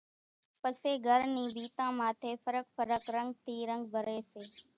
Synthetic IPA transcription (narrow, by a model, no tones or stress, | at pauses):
pəseːɡʱəɾnĩːbʱiːt̪ãːmaːt̪ʰeːfəɾək̚fəɾəkɾəŋɡ̚t̪ʰiːɾə̃ŋɡbʱəɾeːseː